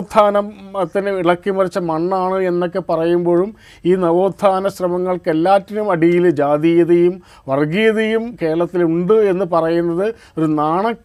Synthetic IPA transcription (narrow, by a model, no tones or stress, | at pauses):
d̪ʱːaːnɐmɐt̪ːineiɭɐkːimɐrit͡ɕːɐmɐɳːaːɳɨe̞nːo̞kːe̞pɐrɐjumbo̞ːɻum | iːnɐʋoːd̪ʱːaːnɐɕrɐmɐŋːɐɭke̞lːaːtːɐnumɐɽijild͡ʑaːd̪ijɐðejum | ʋɐrɡijɐðejumke̞ːɾɐɭɐt̪ːiluɳɖɨe̞nːɨpɐrɐjunːɐðɨ | o̞ɾunaːɳɐ